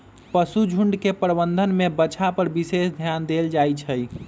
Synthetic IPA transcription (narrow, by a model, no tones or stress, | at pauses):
pəsud͡ʒʱuɳɖkepɾəbənd̪ʱənmebət͡ʃʰapəɾbisesd̪ʱjand̪eld͡ʒajt͡ʃʰəj